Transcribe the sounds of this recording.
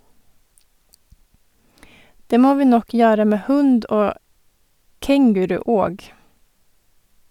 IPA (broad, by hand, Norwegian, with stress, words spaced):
ˈdeː ˈmoː ˈʋiː ˈnɔk ˈjøːɾə ˈmeː ˈhʉnd ˈoː ˈkɛŋɡʉɾʉ ˈoːɡ